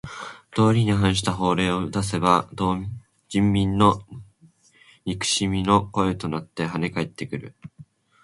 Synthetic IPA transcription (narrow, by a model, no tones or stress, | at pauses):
d̪̥o̞ːɾʲiɲ̟iɦãɰ̃ɕ̬i̥t̪aɦo̞ːɾe̞ːoɯ̟d̪as̬e̞bad̪o | d͡ʑĩmːʲĩnːo̞ | ɲʲikɯ̟̥ɕimʲino̞ko̞e̞t̪o̞nat̪ːe̞ɦane̞kaet̪ːe̞kɯ̟ɾɯ̟̰